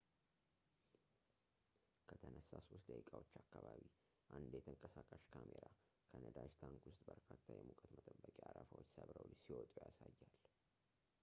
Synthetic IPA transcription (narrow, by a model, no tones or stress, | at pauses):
kʰət̪ʰənəsːasusd̪əikʼawot͡ʃːakːaβaβi | ʔand̪jɛt̪ʰəŋkʼəsakʼəʃkʰameɾa | kʰənəd̪aʃt̪ʰaŋkwʊst̪ʼbəɾkʰat̪ʰːajɛmukʼət̪mət̪ʼəbːəkʼiaɾafawot͡ʃːsəβɾəwlsiwɔt̪ʼujasajːal